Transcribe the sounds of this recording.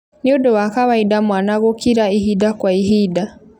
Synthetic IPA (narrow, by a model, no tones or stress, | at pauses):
niodɔwakaβaidamwanaɣokiɾaihidakwaiɦida